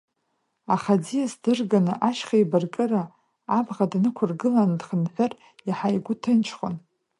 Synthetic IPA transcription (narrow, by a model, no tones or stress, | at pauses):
aχad͡zijasdɨrɡanɨʔaʃχajbarkʼɨraː | bʁadnɨkʷʰʊrɡɨlandχənħʷʊr | iħajɡʷʊtʰɨnt͡ʃʰχo̰n